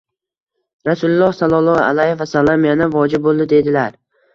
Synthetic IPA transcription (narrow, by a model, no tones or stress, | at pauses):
ɾasulʊlˠːɒhsalˠɒlˠɒa̰lajefasalamjanavɒd͡ʒɪb̚bolˠd̪ɪd̪e̞d̪ɪlaɾ